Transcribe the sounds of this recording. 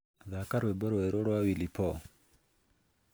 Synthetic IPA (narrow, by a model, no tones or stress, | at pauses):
ðakaɾwebɔɾɔwɛɾoɾɔwawilipɔ